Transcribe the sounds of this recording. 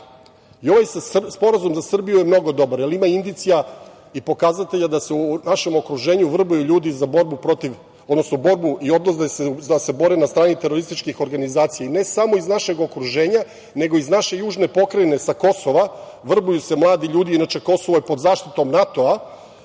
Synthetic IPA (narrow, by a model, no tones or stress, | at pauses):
io̞ʋajspo̞ɾazumzasr̩bijuje̞mno̞ɡo̞d̪o̞baɾjelimaind̪it̪sija | ipo̞kazat̪e̞ʎad̪ase̞unaʃe̞mo̞kɾuʒe̞ːɲuʋr̩bujuʎuːd̪izabo̞ɾbupɾo̞t̪iʋ | od̪no̞snobo̞ɾbuʔio̞d̪nosd̪ased̪ase̞bo̞ɾenast̪ɾaːnit̪e̞ɾo̞ɾist̪it͡ʃkixo̞ɾɡanizaːt̪sijaine̞samo̞iznaʃe̞ɡo̞kɾuʒe̞ːɲa | ne̞ɡo̞iznaʃe̞juːʒne̞po̞kɾajne̞sako̞so̞ʋa | ʋr̩bujuse̞mlˠaːd̪iʎuːd̪iinat͡ʃe̞ko̞so̞ʋojepod̪zaːʃt̪it̪o̞mnat̪o̞a